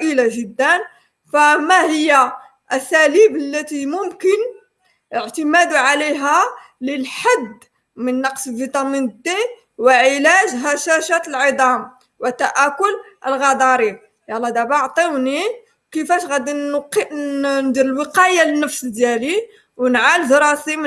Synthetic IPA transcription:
ʔəlaʒəd̪ːən | fæmæhəjːæ | ʔæsælibəlːæt̪imʊmkən | ʔəʕt̪əmæd̪uʕaliɦæ | ləlħad̪ | mənːɑqsəlvit̪ˤɑmind̪i | wəʕəlæʒɦæʃæʃæt̪əlʕəd̪ˤɑm | wət̪ːæʔækʊlʔəlɣɑd̪ˤɑɾi | jɑlˤːɑd̪æbɑʕt̪ˤiwni | wkəfæʃɣæd̪inq | nd̪iɾəlwəqɑjalənːəfsd̪jæli | wənʕald̪ɾˤɑsim

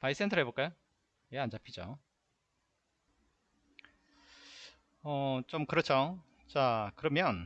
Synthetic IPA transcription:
pais͈entʰʌɦeboɭk͈ajo | jeant͡ɕapʰid͡ʑo | ʌt͡ɕomkɯɾʌt͡ɕʰo | t͡ɕakɯɾʌmjʌn

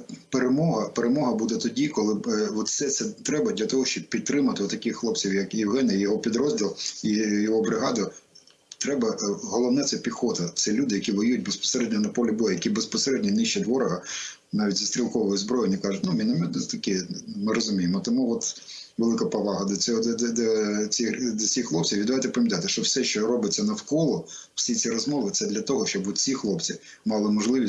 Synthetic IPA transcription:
peɾemɔɦɐpeɾemɔɦɐbud̪ɛt̪ɔdʲikɔlˠɪʋɔt̪sɛt̪sɛt̪ɾɛbɐd̪ʲlʲɐt̪ɔɦɔʃt͡ʃɔb̚pʲid̪̚t̪ːɾɪmɐt̪ɪɔt̪ɐkɪxxlˠɔp̚t͡sʲiwjɐkjɪwɦɛnɐjɔɦɔpʲid̪ɾɔzʲdʲilˠijɔɦɔbɾɪɦɑd̪ɐ | t̪ɾɛbɐɦɔlˠɔwnɛt̪sɛpʲixɔt̪ɐt̪sɛlʲud̪ɪjɐkʲiʋɔjujt̚ʲbespɔ̥seɾɛd̪ʲnʲɐnɐpɔlʲibɔjɛjɐkʲibespɔseɾɛd̪ʲnʲɐnɪʃt͡ʃɐtʲʋɔɾɐɦɐ | nɑʋʲitʲzist̪ɾʲilˠkɔʋɔjɛzbɾɔjɪnʲikɑʐʊtʲnumʲɪnɐmɛd̪t̪ɐkɪmɪɾɔzʊmʲijemɔt̪ɔmuɔt̪ | ʋelˠɪkɐpɐʋɑɦɐd̪ɐt͡sʲɔɦɔd̪d̪d̪ɔt͡sʲid̪ɔt͡sʲsʲixxlˠɔp̚t͡sʲiʋʲid̪ʋajt̪ɛpɐmʲɐt̪ɑajt̪ɪʃt͡ʃɔwsɛʃt͡ʃɔɾɔbɪt͡sʲːɐnɐfkɔlˠɔ | w̥sʲit͡sʲiɾɔzmɔʋɪt̪sɛd̪lʲɐt̪ɔɦɔʃt͡ʃɔbʋɔt̪t͡sʲixlˠɔpt͡sʲi | mɑlˠɪmɔʒlˠɪʋʲi

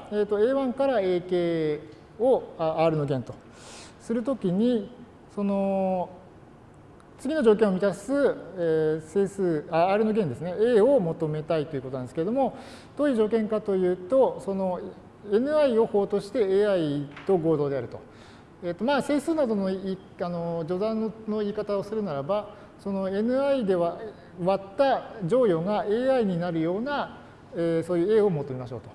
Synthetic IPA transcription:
eːt̪ːo̞e̞ːβãŋkaɾae̞ːke̞ː | oaaːɾɯno̞ɡẽ̞nt̪o̞ | sɨɾɯ̟t̪̬o̞kʲiɲ̟i | so̞no̞ | t͡sɨɡʲino̞ʑoːkẽɰ̃o̞mʲit̪assɨese̞ːsɨːaaːɾɯ̟no̞ɡẽ̞nd̪e̞sɨne̞eːo̞mo̞t̪o̞me̞t̪ait̪oiɯ̟kot̪onãd̪eskeɾd̪o̞mo̞ | d̪̥o̞ːi̟ːʑo̞ːkẽ̞ŋkat̪o̞jɯ̟ːt̪o̞so̞no̞ | e̞nɯ̟aio̞ho̞ːt̪o̞ɕi̥t̪e̞eːait̪o̞ɡo̞ːd̪o̞ːd̪e̞aɾɯ̟t̪o̞̰ | et̪ːo̞maːse̞ːsɨːnad̪ono̞iː | ano̞d͡ʑo̞d̪ãnnːo̞iːkat̪ao̞sɨɾɯ̟naɾaba | so̞no̞e̞nɯ̟aid̪e̞βa | βat̪ːad͡ʑo̞ːjo̞ŋaʔe̞ːaiɲ̟inaɾɯ̟jo̞ːna | eːso̞ːjɯ̟e̞ːo̞mo̞t̪o̞me̞maɕo̞̰ːt̪o

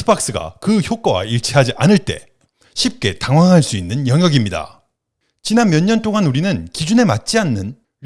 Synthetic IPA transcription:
ɯ̥bak̚s͈ɯɡa̰kɯçjok͈ʌwa̰iɭt͡ɕʰiɦad͡ʑiʔanɯɭt͈e̞ | ɕʰip̚k͈e̞taŋwaŋɦaɭs͈uinːɯnjʌŋjʌɡimɲida̰ | t͡ɕinanmjʌɲːʌnt͈oŋanuɾinɯnkid͡ʑune̞mat̚t͡ɕ͈ianːɯn

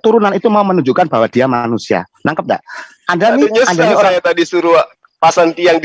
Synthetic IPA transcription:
t̪uɾunanit̪umaumənuɲd͡ʒukanbaɦwad̥iamanusia̰ | nʔaŋkəp̚da̰ʔ | ʔandaniɲandaiojat̪adisuɾuaʔ | pasant̪iaŋd

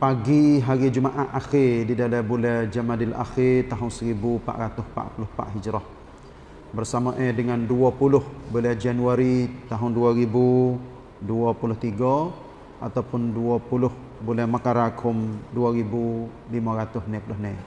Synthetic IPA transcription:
paɡiɦaɾid͡ʒumaʔaʔaxirdidalɛbulɛhd͡ʒamadɪlʔa̰xɪrt̪aɦʊnsəɾibupa̰ʔɾat̪ʊhpa̰ʔpulʊhpa̰ʔɦid͡ʒɾɔh | bərsamaʔɛdəŋanduɔpulʊhbulɛhd͡ʒanuaɾit̪aɦʊnduaɾibu | duɔpulʊht̪iɡɔ | at̪awpʊnduɔpulʊh | bulɛhmakaɾakʰʊmduaɾibu | limaɾat̪ʊhnɛpulʊhnɛ

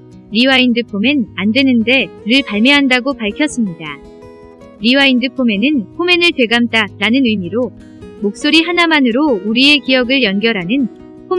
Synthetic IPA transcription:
ɾiwaindɯpʰomenandwe̞nɯnde̞ɾɯɭpaɭmeɦandaɡopaɭkʰjʌs͈ɯmɲida | ɾiwaindɯpʰome̞nɯnpʰome̞nɯɭtwe̞ɡamt͈aɾanɯnɯmiɾo | mok̚s͈oɾiɦanamanɯɾouɾie̞kijʌɡɯɭjʌnɡjʌɾɦanɯn | pʰo

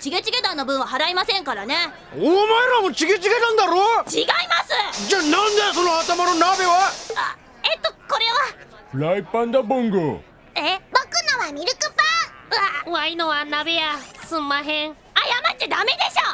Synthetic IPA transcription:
t͡ɕiɡet͡ɕiɡe̞d̪ãnːobɯ̟̃ɰ̃aɦaɾaimasẽ̞ŋkaɾane̞ | omaeɾamot͡ɕiɡet͡ɕiɡet̪ãnd̪aɾot͡ɕiɡaimasɨt͡ɕanãnd̪esonohat̪amaɾonabe̞βaa | et̪ːokoɾe̞βa | pɯɾaipːãnd̪abɯŋɡɯ̰ | ebokɯnoβamʲiɾɯkɯpaaainoβanabe̞jasɨmːaɦẽŋ | ajamat̪ed̪ame̞d̪e̞ɕo

